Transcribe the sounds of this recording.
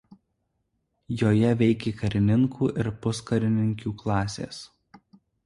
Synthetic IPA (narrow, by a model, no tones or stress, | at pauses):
joːjɛʋʲɛɪkʲeːkɐɾʲɪnʲɪŋkʰuːʔɪɾpʊskɐɾʲɪnʲɪŋʲkʲuːklˠɑːsʲḛːs